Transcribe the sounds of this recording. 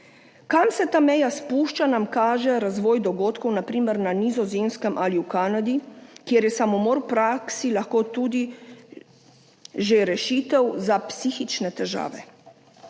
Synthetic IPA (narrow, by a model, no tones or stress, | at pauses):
kamsɛt̪aːmɛjaspuʃt͡ʃanamkaːʒɛɾazʋɔːjd̪ɔɡoːt̪kɔwnapɾiːməɾnanizɔzemskəmʔaliwkaːnad̪ikjeːɾjɛsamɔmoːɾwpɾaksilaxkoːt̪uːd̪i | ʒeɾɛʃiːt̪ɛwzapsiːxit͡ʃnɛt̪ɛʒa̰ːʋɛ